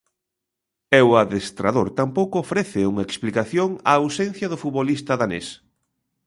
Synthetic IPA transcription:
ɛwaðest̪ɾaðoɾt̪ampowkʊofɾɛθɪuŋaeksplikaθjoŋa̰ːwsen̟θjɐðʊfut̪βolist̪aðanḛs

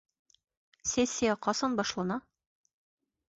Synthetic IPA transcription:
sʲesʲːijɑqɒsɑnbɒʃlˠɑnɑ

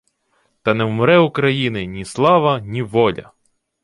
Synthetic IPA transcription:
t̪ɐnɛwmɔɾɛukɾɐjinɪnʲislˠɑʋɐnʲiʋɔlʲɐ̰

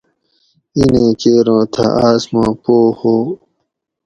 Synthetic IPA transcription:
inẽːt͡ɕeːɾõːt̪ʰa̰aːsmãːpoːhoː

